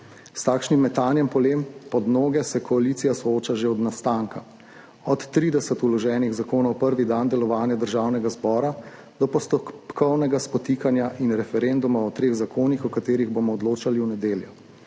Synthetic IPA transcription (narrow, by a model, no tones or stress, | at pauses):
st̪aːkʃnimːɛt̪aːnjɛmpɔlempɔd̪noːɡɛsɛkʰɔalit̪sijasɔoːt͡ʃaʒeɔd̪nast̪aːŋka | ɔt̪ːɾiːd̪ɛsɛt̪ulɔʒɛːniɣzakoːnɔwpəɾʋid̪and̪ɛlɔʋaːnjad̪əɾʒaːwnɛɡazbɔːɾa | d̪̥ɔpɔst̪ɔpkʰɔwnɛɡaspɔt̪iːkanjaʔinɾɛfɛɾend̪umaɔt̪ɾeːɣzakʰoːnixɔkat̪eːɾiɣbomɔːd̪loːt͡ʃaliwnɛd̪eːljɛ